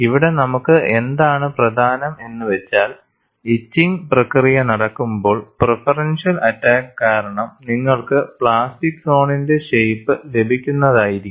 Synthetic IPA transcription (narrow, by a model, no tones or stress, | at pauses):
iʋiɽe̞nɐmukːɨʔe̞nd̪aːɳɨprɐd̪ʱaːnɐme̞nːɨʋet͡ɕːaːl | it͡ɕːiŋprɐkrijɐnɐɽɐkːumbo̞ːɭprefɐrɐnʂɐlɐtːaːkɨkaːɾɐɳɐmniŋːɐɭkɨpɭaːstikːso̞ːɳinde̞ʂejpːɨle̞bʱikʲːunːɐðaːjiɾikː